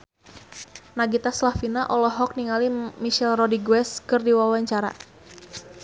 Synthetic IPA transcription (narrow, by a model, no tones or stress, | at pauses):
naɡit̪aslafinaʔɔlɔɦɔk̚niŋalimiʃɛlrɔdiɡwɛskɨrdiwawaɲt͡ʃaɾa̰